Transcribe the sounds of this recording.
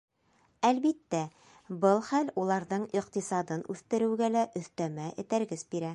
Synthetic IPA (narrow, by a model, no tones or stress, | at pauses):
ælβit̪ːæ | bɤlˠχælulˠɑɾðɤɴiqt̪isɑd̪ɤnʉθt̪ɘ̆ɾɘ̆wɡælæʔɵ̆θt̪æmæʔɘ̆t̪æɾɡɘsbiɾæ